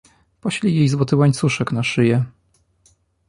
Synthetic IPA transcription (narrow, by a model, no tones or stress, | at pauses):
pɔɕlʲijejzwɔt̪ɘwaɲt̪suʂɛknaʂɘjɛ